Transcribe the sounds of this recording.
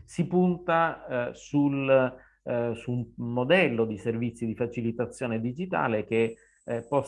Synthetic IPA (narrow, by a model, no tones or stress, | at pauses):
sipunt̪asul | summod̪ɛlːod̪iservit̪sːid̪ifat͡ʃilit̪at̪sːjoːned̪id͡ʒit̪a̰ːlek̟e | pːɔ